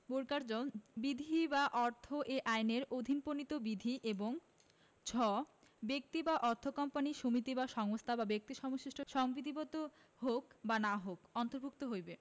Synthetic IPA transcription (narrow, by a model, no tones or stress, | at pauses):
boɾkaɾd͡ʑonbid̪ʱibaʔɔɾt̪ʰoʔeʔajneɾod̪ʱinponit̪obid̪ʱiʔeboŋ | t͡ɕʰɔ | bek̚t̪ibaʔɔɾt̪ʰokɔmpaniʃomit̪ibaʃɔŋost̪ʰababek̚t̪iʃɔmoʃiʃʈʰoʃɔŋbid̪ibɔt̪o | ɦokbanaɦokɔnt̪oɾbʱuk̚t̪oɦojbe